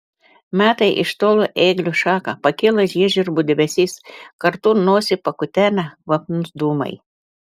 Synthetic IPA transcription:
mʲæːt̪ɐɪʔɪ̰ʃt̪oːlˠoʔeːɡlʲuʃɑːkɐpɐkʲɪlˠɐʒʲiɛʒʲʊɾbʊd̪ʲɛbʲɛsʲiːskɐɾt̪uːnoːsʲɪpɐkʊt̪ʲæːnʲɛʋɐpnʊsd̪uːmɐ̰ɪ

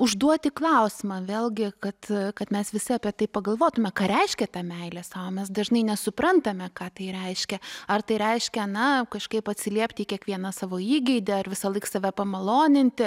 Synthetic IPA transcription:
ʊʒd̪uɔt̪ʲɪklˠɐʊsʲɪmɑːʋʲeːlʲˠɡʲɪkɐt̪kɐt̪mʲɛsʋʲɪsʲɪɐpʲiɛt̪ɐɪpɐɡɐlˠʋoːt̪ʊmʲɛkɑːɾʲɛɪʃʲkʲɛt̪ɑːmʲɛɪlʲɛsɑːʋoːmʲɛs̬d̪ɐʒnɐɪnʲɛsʊpɾɐnt̪ɐmʲɛkɑːt̪ɐɪɾʲɛɪʃʲkʲɛɐrt̪ɐɪɾʲɛɪʃʲkʲɛnɐkɐʃkɐɪpɐt̪ʲsʲɪlʲiɛpʲt̪ʲɪiːkʲiɛkʋʲiɛnɐsɑːʋoːiːɡʲɛɪd̪ʲɛɐrʋʲɪsɐlˠɐɪksɐʋʲɛpɐmɐlˠoːnʲɪnʲt̪ʲɪ

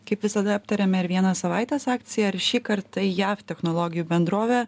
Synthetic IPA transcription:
kɐɪpʋʲɪsɐd̪ɐɐp̚t̪ɐɾʲɛmʲɛɪɾʋʲiɛnɐsɐʋɑˑɪt̪ʲeːsɑːk̚t̪sʲɪjɛɐɾʃʲiːkɐɾt̪ɐɪjæːft̪ʲɛxnɔlˠɔːɡʲɪjuːbʲɛnd̪ɾoːʋʲɛ

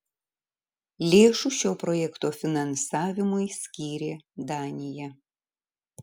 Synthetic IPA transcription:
lʲeːʃuːʃʲoːpɾɔjɛkt̪oːfʲɪnɐnsɑːʋʲɪmʊjsʲkʲiːɾʲeːd̪aːnʲɪjɛ

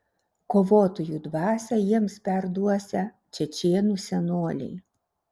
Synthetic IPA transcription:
koːʋoːt̪ojuːd̪ʋɑːsʲɛjiɛmspʲɛɾd̪uɔsʲɛ | t͡ʃʲɛt͡ʃʲeːnuːsʲɛnoːlʲɛ̰ɪ

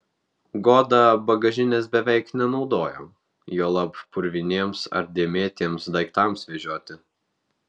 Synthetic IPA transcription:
ɡoːd̪ɐbɐɡɐʒʲɪnʲɛsbʲɛʋʲɛɪknʲɛnɒʊd̪oːjo̰ː | joːlˠɐppʊɾʲʋʲɪnʲeːmsɐ̰ɾd̪ʲemʲeːt̪ʲiːmsd̪ɐɪkt̪ɑˑmsʋʲɛʒʲuɔt̪ʲɪ

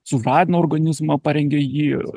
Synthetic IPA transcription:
sʊrɑːd̪ʲɪnooːrɡɐnʲɪzmɐpɐɾʲɛŋʲɡʲejiː

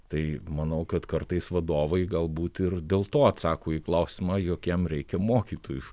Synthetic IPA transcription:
t̪ɐɪmɐnɐʊkɐt̪kɐrt̪ɐɪsʋɐd̪oːʋɐɪɡɐlˠbuːt̪ɪrd̪ʲeːlˠt̪oːɐt̪sɑːkoːiːklˠɐʊsʲɪmɑːjoːkʲɛmɾʲɛɪkʲɛmoːkʲiːt̪oːju

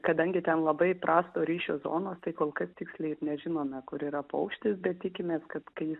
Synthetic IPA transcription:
kɐd̪ɐŋʲɡʲɪt̪ʲɛnlˠɐbɐɪpɾɑːst̪oːɾʲiːʃʲoːzo̰ːnoːst̪ɐɪkoːlˠkɐst̪ʲɪksʲlʲɛɪɪrnʲɛʒʲɪnoːmʲɛkʊɾiːɾɐpɐʊkʃʲt̪ʲɪsbʲɛt̪̚t̪ʲɪkʲɪmʲeːskɐt̪kɐɪjɪs

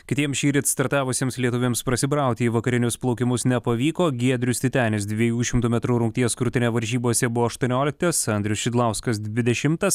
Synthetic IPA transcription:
kʲɪt̪ʲiɛmsʃʲiːɾʲɪt̪st̪ɐɾt̪ɑːʋʊsʲiɛmslʲiɛt̪ʊʋʲeɛmspɾɐsʲɪbɾɑˑʊkt̪ʲiːʋɐkɐɾʲɪnʲʊsplˠɐʊkʲɪmʊsnʲɛpɐʋʲiːkoːɡʲiɛd̪ʲɾʲʊst̪ʲɪt̪ʲæːnʲɪs̬d̪ʲʋʲiɛjuːʃʲɪmt̪uːmʲɛt̪ɾuːɾʊŋk̚t̪ʲiɛskɾʊt̪ʲɪnʲɛʋɐɾʲʒʲiːboɔsʲɛbʊʋoːɐʃt̪uɔnʲoːlʲɪk̚t̪ɐsɐnd̪ʲɾʲʊsʃʲɪd̪lˠɑʊskɐs̬d̪ʲʋʲɪd̪ʲɛʃʲɪmt̪ɐs

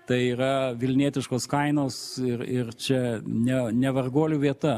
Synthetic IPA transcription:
t̪ɐɪiːɾɐʋʲɪlʲnʲiːt̪ʲɪʃkoːskɐɪnoːsɪrɪrt͡ʃʲɛnʲɛnʲɛʋɐrɡoːlʲuʋʲiɛt̪ɐ

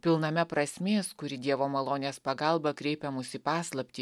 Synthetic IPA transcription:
pʲɪlˠnɐmʲɛpɾɐsʲmʲeːskʊɾʲɪd̪ʲiɛʋoːmɐlˠoːnʲeːspɐɡɐlˠbɐkɾʲɛɪpʲɛmʊsʲɪpɑːslˠɐpʲt̪ʲiː

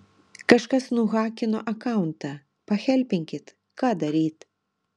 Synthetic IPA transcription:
kɐʃkɐsnuɣakʲinɔʔɐkawnt̪ɐ | pɐxʲɛlʲpʲiŋkʲit̪ | kad̪ɐɾʲit̪

